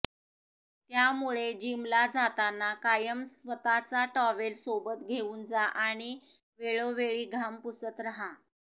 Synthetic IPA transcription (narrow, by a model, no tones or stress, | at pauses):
t̪jamuɭed͡ʑimlad͡zat̪anːakajəmsʋət̪at͡saʈɔʋelsobət̪ɡʱeuːnd͡zaʔaɽ̃i | ʋeɭoʋeɭiːɡʱampusət̪ɾəɦa